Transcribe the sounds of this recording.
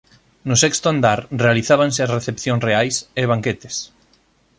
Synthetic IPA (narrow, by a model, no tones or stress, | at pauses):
nʊsɛkst̪oand̪aɾrealiθaβanseɐzreθepθjõŋsreajseβ̞aŋket̪e̥s